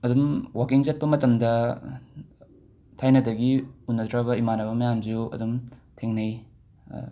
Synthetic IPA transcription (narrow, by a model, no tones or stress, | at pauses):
ɐdumwakiŋzɐt̚pɐmɐtɐmdɐ | tʰajnɐdɐɡiunːɐtɾabɐimanɐbɐmɐjamziuɐ̰dumtʰeŋnɐj